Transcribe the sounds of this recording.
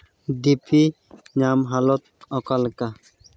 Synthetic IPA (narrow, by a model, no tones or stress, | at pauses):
d̪ipi | ɲamɦalɔt̪̚ɔkalka